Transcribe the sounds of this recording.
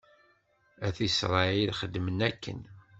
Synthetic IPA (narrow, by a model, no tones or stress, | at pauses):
æθisɾˤɑilχəd̪ːmənækʰːə̰n